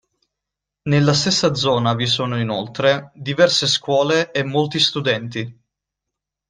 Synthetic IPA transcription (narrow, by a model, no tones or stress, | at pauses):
nelːast̪esːad̪zɔːnavisoːnoinolt̪ɾed̪ivɛrseskwɔːleʔemːolt̪ist̪ud̪ɛnt̪i